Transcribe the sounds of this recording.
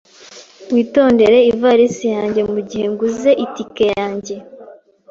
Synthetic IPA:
mwiːto̞ːnde̞ɾe̞ivaɾisijaːɲɟe̞muɟihe̞ŋɡuze̞ʔitike̞jaːɲɟe̞

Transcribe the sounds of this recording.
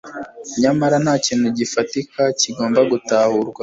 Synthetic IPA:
ɲamaɾanhaːciːn̥huɟifatikaciɡo̞ːmbaɡutaːhuɾɡwa

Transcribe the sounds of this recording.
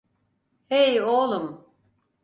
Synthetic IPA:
hejolˠum

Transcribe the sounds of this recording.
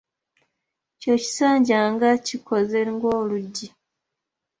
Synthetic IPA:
coci̥saːɲɟaːŋɡacikʰo̞ze̞ŋɡo̞ːluɟːi

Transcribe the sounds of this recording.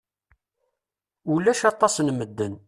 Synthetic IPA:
ulːæʃɑt̪ˤːɑsnməd̪ːən

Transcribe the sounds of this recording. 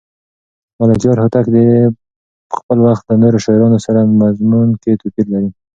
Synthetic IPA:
malakjɑɾhʊt̪akd̪e | xpəlwaxt̪̚lənoɾoʃɑjɾɑnosaɾamazmunket̪upiɾlaɾi

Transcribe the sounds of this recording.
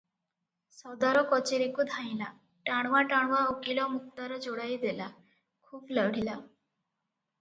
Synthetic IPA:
sɔd̪aɾɔkɔt͡ɕeɾikud̪ʱãĩla | ʈaɽ̃ʋaʈaɳ̃ʋaokilɔmukt̪aɾɔd͡zoɽaid̪ela | kʰuːpləʋɽ̤ila

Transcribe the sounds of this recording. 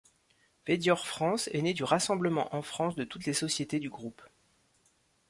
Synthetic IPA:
v̥ed̪jɔʁfχɑ̃sɛned̪yʁasɑ̃bləmɑ̃ʔɑ̃fχɑ̃sd̪ət̪ut̪lesɔsjet̪ed̪yɡʁup

